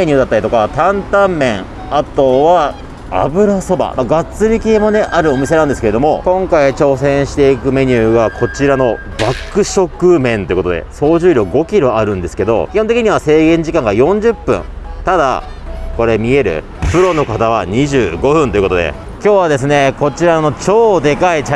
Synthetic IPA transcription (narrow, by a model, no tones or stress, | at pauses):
eɲ̟ɯːd̪at̪ːaɾʲit̪o̞kat̪ãnt̪ãmːẽ̞ŋ | at̪o̞βa | a̰bɯ̟ɾaso̞ba̰maɡat͡sɨɾʲikʲiemo̞ne̞ʔaɾɯ̟o̞mʲise̞nãnd̪esɨ̥keɾe̞d̪o̞mo̞kõ̞ŋkait͡ɕo̞ːsẽ̞ɰ̃ɕi̥t̪e̞ikɯ̟me̞ɲ̟ʲɯːɡakʰo̞t͡ɕiɾano̞ | bakːɯ̟ɕo̞kɯ̟mẽ̞nt̪o̞jɨ̟ko̞t̪od̪ḛso̞ːʑɨːɾʲo̞ɡo̞kʲiɾo̞aɾɯ̟̃nd̪e̞sɨ̥ke̞d̪o̞̰kʲihont̪ekʲiɲ̟iβ̞ase̞ːɡẽ̞ɲ̟d͡ʑikãŋɡajõ̞ɲ̟d͡ʑɨpːɯ̰̃n | t̪ad̪a̰ | ko̞ɾe̞mʲie̞ɾɯ̟̰ | ɸɯ̟ɾo̞no̞kat̪aβ̞aɲ̟iʑɨːɡo̞ɸɯ̟̃nt̪oiɯko̞t̪o̞d̪ḛ | kʲo̞ːβad̪e̞s̬ɨne̞ko̞t͡ɕiɾano̞t͡ɕo̞ːd̪e̞kait͡ɕ